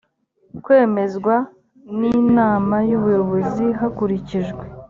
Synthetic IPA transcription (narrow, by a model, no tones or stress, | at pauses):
kwe̞ːme̞zɡwa | niːnaːmajuːβujo̞βo̞ziɦakuɾiciʒɡwe